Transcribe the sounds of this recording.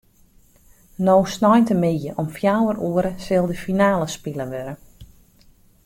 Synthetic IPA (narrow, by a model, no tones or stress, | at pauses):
noːsnɔjntəmɪjəʔɔmfjawərʔuəɾəsɪlˠdəfinaːləspiləʋøɾə